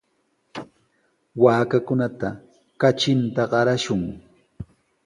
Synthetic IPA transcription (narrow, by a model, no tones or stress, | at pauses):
waːkakʊnat̪a | kat͡ʃɪnt̪aɢɑɾaʃʊŋ